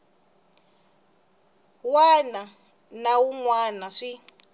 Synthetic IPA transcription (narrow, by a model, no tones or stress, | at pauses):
wana | nawuŋwanaʂi